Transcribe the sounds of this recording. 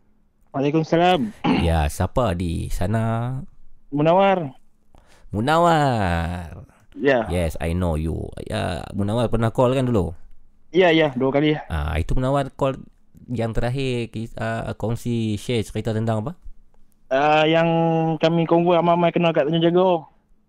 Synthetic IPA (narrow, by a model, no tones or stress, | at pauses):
walekumsalamja̰sapadḭsana | munawar | munawa | r | jajɛsa̰jnojṵja̰munawarpərnahkɔlkandulu | jaijaduakaliʔa̰ḭt̪umənawarkɔl | jaŋt̪əɾaɦɪkiəkɔŋsiʃet͡ʃkit̪at̪ənd̪aŋapa | əjaŋkamikoŋwɔamamajkənakaʔt̪aɲad͡ʒaɡo